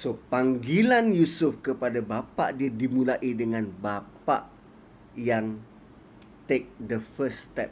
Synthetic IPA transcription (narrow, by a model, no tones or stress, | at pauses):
sopaŋɡilanjusufkəpadabapa̰ʔdiadimũlaʔidəŋãnbapa̰ʔ | jaŋ | t̪ek̚dəfəst̪ɛp̚